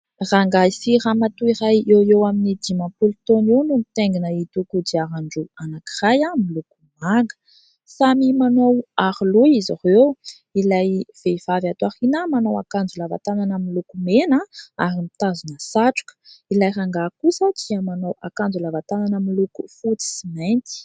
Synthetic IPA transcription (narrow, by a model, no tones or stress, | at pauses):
raŋɡaisiramat̪uirajewewaminid̪imampulut̪onenumit̪eŋɡinəit̪ukud̪iaɾaɳɖ͡ʐuanakirajamiluku̥maŋɡə̥ | samimanowaɾiluizahew | ilajv̥ev̥avat̪aχinəmanowa̰kand͡zulava̰t̪ananəmilukumenəaɾimit̪azunəsaʈ͡ʂu̥kə̥ilajraŋɡakusəd̪iəmanowʔakand͡zulavat̪ananəmilukufut͡si̥siment̪i̥